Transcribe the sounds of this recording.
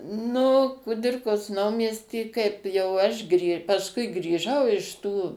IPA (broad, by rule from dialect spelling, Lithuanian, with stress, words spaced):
ˈnʊ kʊˈdʲɪrkoːs ˈnɐʊmʲiɛsʲtʲiː kɐɪp jɛʊ ˈɐʃ ɡrʲiː pɐsˈkʊɪ ɡrʲiːˈʒɐʊ ɪʃ ˈtuː